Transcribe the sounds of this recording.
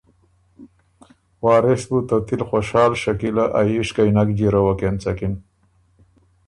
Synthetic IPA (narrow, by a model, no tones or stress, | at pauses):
waːɾesbut̪at̪ilxoʃaːlʃɐkilaʔajiʃkajnakd͡ʑiɾawakent͡sɐkin